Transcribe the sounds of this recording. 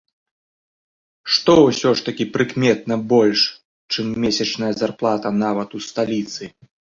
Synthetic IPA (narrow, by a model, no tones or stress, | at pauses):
ʂt̪ɔwsʲɔʂt̪ɐkʲipɾɨkmʲɛt̪̚nɐbɔlʲʂ | t͡ʂɨmːʲɛsʲɐt͡ʂnɐjɐzarplˠat̪ɐnavɐt̪ust̪alʲit̪sɨ